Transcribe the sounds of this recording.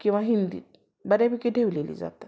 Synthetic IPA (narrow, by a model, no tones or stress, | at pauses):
kĩw̃ʋaɦind̪ḭːt̪ | bədjapikiɖʱeʋlelḭːd͡za̰t̪ḁ